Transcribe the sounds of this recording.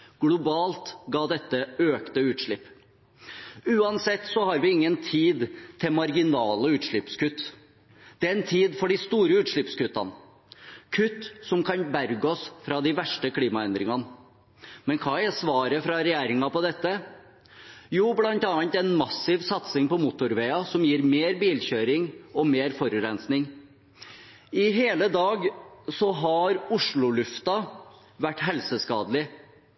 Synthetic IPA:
ɡ̥lʊbɑːlt̪ɡɑːd̪ɛt̪ːəøːkt̪əʉːt̪ʂɭɪpː | ʉːɑnsɛt̪ːsɔhɑɾʋɪɪŋːənt̪ʰiːd̪t̪ʰɪlmɑɾɡɪnɑːləʉːt̪ʂɭɪpskʉt̪ː | d̪̥ɛæɾɛnt̪ʰiːd̪fɔɖɪst̪uːɾəʉːt̪ʂɭɪpskʉt̪ːɑ̰n | kʰʉt̪ːsɔmkʰɑnbæɾɡəɔsfɾɑd̪ɪʋæʂʈəkʰliːmɑɛnd̪ɾɪŋɑn | mɛnkʰɑːɛsʋɑːɾəfɾɑɾɛjeːɾɪŋɑpɔd̪ɛt̪ːə | juːblɑnt̪ɑːɑnt̪ɛnmɑsːɪʋsɑt̪sɪŋpɔmʊt̪ʊɾʋeːɑsɔmjiːɾmeːɾbiːlçøːɾɪŋɔmeːɾfɔɾʉɾɛnsnɪŋ | ɪɦeːləd̪ɑːɡsɔɦɑɾʊʂɭʊlʉft̪ɑ | ʋæʈːɦɛlsəskɑːd̪lɪ

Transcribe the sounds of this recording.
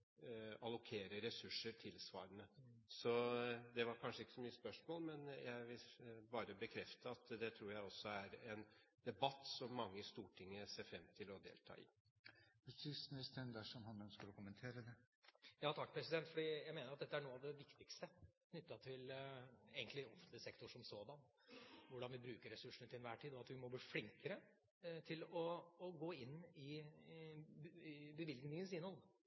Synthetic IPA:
ɑlʊkʰeːɾəɾɛsʉʂːəɾʈ̪ʰɪlsʋɑ̰ːɾənəsɔd̪ɛʋɑɾkʰɑnʂəɪkːə̥sɔmyːəspœʂmoːlmɛnjʔæɪʋɪlbɑːɾəbəkʰɾɛft̪əɑt̪d̪ɛt̪ʰɾuːɾjæɪɔsːɔæɾɛn | d̪̥ɛbɑt̪ːsɔmːɑŋːəɪst̪uːʈʰɪŋːəseːɾfɾɛmːt̪ʰɪlɔd̪ḛːlt̪ʰɑ̰ːɪ̰ | ʉsɪsnəst̪ʰɛnd̪æʂɔmhɑnœnskəlɔkʊmənt̪ʰeːɾəd̪ɛ | jɑːt̪ʰɑkːpʰɾɛsɪd̪ɛnt̪fɔɖiːjæɪmeːnəɾɑt̪d̪ɛt̪ːəæɳuːəɑʋd̪ɛʋɪkt̪ɪkst̪əkʰnʏt̪ːɑt̪ʰɪlḛɡənt̪lɪɔfənt̪lɪsɛkt̪ʊʂɔmsoːd̪ɑn | ʋʊɖɑnʋɪbɾʉːkəɾɛsʉʂːɳət̪ʰɪnʋæːʈʰiːd̪ɔɑt̪ʋɪmɔbliːflɪŋkəɾə | t̪ʰɪlɔːɡoːɪnːɪ | bəʋɪlɡnɪŋənsɪnhɔl

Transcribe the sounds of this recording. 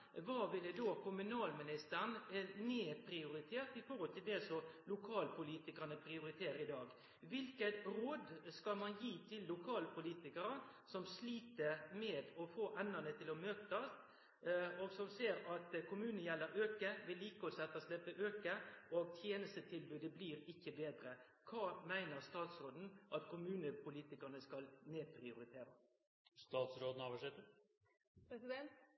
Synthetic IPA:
ʋɑːʋɪlːəd̪oːkʰʊmʉnɑːlmɪnɪst̪əɾnneːpʰɾɪʊɾɪt̪ʰeːt̪ɪfɔhɔlt̪ʰɪld̪ɛsɔlʊkʰɑːlpʰʊliːt̪ɪkɑnəpʰɾɪʊɾɪt̪ʰeːɾəɾɪd̪ɑːɡ | ʋɪlkət̪ɾoːd̪skɑlmɑnjiːt̪ʰɪlːʊkʰɑːlpʰʊliːt̪ɪkəɾəsɔmsliːt̪əɾmɛːd̪ɔfoːʔɛnːənət̪ʰɪlɔmøːkt̪ɑst̪ | ɔsɔmseːɾɑt̪kʰʊmʉːnən̩jɛlːəɾøːkəʋɪlːiːkəɔsɛt̪ːɑslɛpːəʔøːkəʔɔɡt̪ʰjeːnəst̪ət̪ʰɪlbʉːd̪əbliːɾɪkːəbeːd̪ɾə | kʰɑːmæɪnəʁst̪ɑːt̪sɾoːd̪n̩ʔɑt̪kʰʊmʉːnəpʰʊliːt̪ɪkɑʁnəskɑlneːpʰɾɪʊɾɪt̪ʰeːɾə | st̪ɑːt̪sɾoːd̪n̩ɑːʋəʂɪt̪ə | pɾɛsɪd̪ɛnt̪

